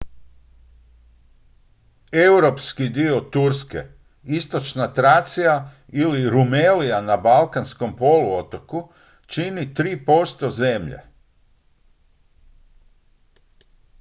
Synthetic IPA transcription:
ewɾopskid̪io̞t̪uɾskḛ | ist̪o̞t͡ʃnat̪ɾat̪sija | iliɾumelijanabalˠkansko̞mpo̞luot̪o̞ku | t͡ʃinit̪ɾiːpo̞st̪o̞zemʎḛ

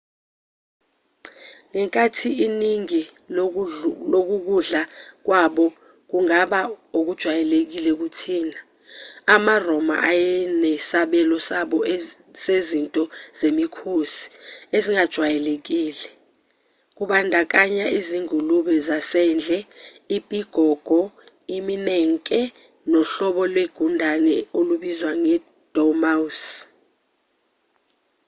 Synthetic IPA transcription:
ŋɛŋkʼatʰiiniŋi | lok̬uk̬uɮak̬waɓɔ | k̬uŋaɓaok̬ud̥ʒ̥ʱwajɛlek̬ilɛk̬utʰiːna | amarɔma̰ʔajɛnɛsaɓɛlɔsaɓɔsezintʼɔz̥emikʰosi̥eziŋad̥ʒ̥ʱwajɛlek̬ʼiːlɛ | k̬ʼuɓandʱak̬ʼaɲaiziŋuluɓɛzasɛnd͡ɮʱɛ | ipʼiɡ̥ʱɔɡ̥ʱɔ | iminɛŋkʼɛ | nɔɬɔɓɔlweɡ̥ʱundʱanɛoluɓizwaŋɛ | d̥ʱɔmaus

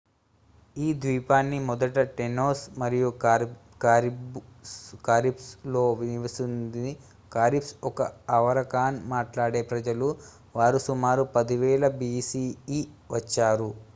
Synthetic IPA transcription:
iːd̪ʋiːpaːnːimɔd̪ɐʈɐʈenoːsmɐɾiju | kaːɾipslo̞ːʋiniʋɐsund̪i | kaːɾipsɔkɐɐʋɐɾɐkaːnmaːʈlaːɽe̞ːpɾɐd͡ʒɐlu | ʋaːɾusumaːɾupɐd̪iʋɛːɭɐbisiːiʋɐt͡ʃːaːɾu

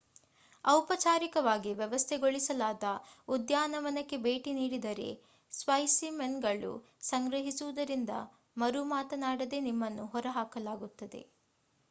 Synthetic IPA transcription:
ɐwpɐt͡ʃaːɾikɐʋaːɡiʋjɛʋɐst̪ʰeɡoɭisɐlaːd̪ɐud̪jaːnɐʋɐnɐkːe̞be̞ːʈiniːɽid̪ɐɾe̞̰ | sʋɐjsimenɡɐɭṵ | sɐŋɡɾɐɦisuʋud̪ɐɾind̪ɐ̰ | mɐɾumaːt̪ɐnaːɽɐd̪e̞nimːɐnːuɦɔɾɐɦaːkɐlaːɡut̪ːɐd̪e̞̰

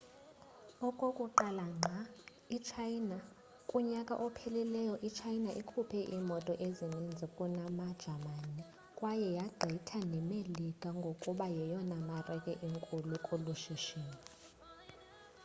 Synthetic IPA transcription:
ɔkʼokʼuǃalaŋ͡ǁʱa | it͡ʃʰajna | kʼuɲakʼa̰ʔɔpʰɛlɛlɛjɔʔit͡ʃʰajnaʔikʰupʰɛʔimɔtʼɔʔezinind͡zʱikʼunamad̥ʒ̥ʱamani | kʼwajɛjaɡ͡ǃʱitʰanɛmelikʼaŋɡʱokʼuɓajɛjɔnamarɛkʼɛʔiŋkʼulukʼuluʃiʃiːni

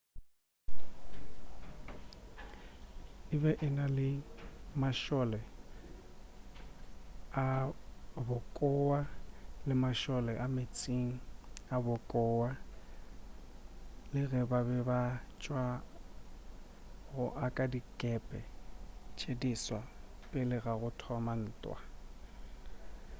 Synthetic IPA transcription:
ɪbɛʔɪnalɪmaʃɔlɛ | a | bʊkʼɔwalɪmaʃɔlɛʔamet͡sʼiŋ̩abʊkʼɔːwa | lɪɣɛbabɛbat͡ʃʼwa | ɣʊʔakʼadikʼɛpʼɛt͡ʃʰʼediswapʼɪlɪɣaɣʊtʰɔman̩ːtʼwa̰

